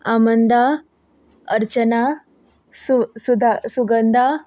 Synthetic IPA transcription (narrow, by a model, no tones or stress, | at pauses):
amənd̪ʱa | əɾt͡ɕəna | susud̪ʱasuɡənd̪ʱa